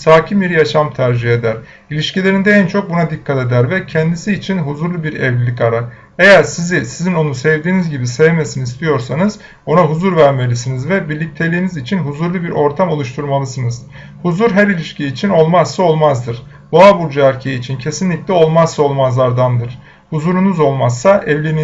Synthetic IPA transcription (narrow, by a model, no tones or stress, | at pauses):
saːcʰimbiɾjaʃamt̪ʰæɾd͡ʒihed̪æɾ̥ | ilʲiʃcilʲeɾind̪ɛɛnt͡ʃʰo̞k̚bunad̪ikʰːat̪e̞d̪æɾvɛcʰɛnd̪isiːt͡ʃʰinɦuzuɾlˠubiɾɛvlʲilʲikaɾa | e̞jæɾsizisizino̞nusɛvd̪iːnizɟibisevme̞sinizist̪ʰijo̞ɾsanɯz | o̞naɦuzuɾvæɾme̞lʲisinizvɛbiɾlʲic̚t̪ʰe̞lʲiːnizit͡ʃʰinɦuzuɾlˠubiɾʔo̞ɾt̪ʰamo̞lˠuʃt̪ʰuɾmalˠɯsɯnɯz | huzuɾɦæɾilʲiʃcʰiːt͡ʃʰino̞lˠmazːao̞lˠmazd̪ɯɾ̥ | boabuɾd͡ʒaæɾcʰeiːt͡ʃʰincʰe̞sinlʲiclʲɛo̞lˠmazsao̞lˠmazlˠaɾd̪and̪ɯɾ̥ | huzuɾunuzo̞lˠmazsaʔɛvlʲini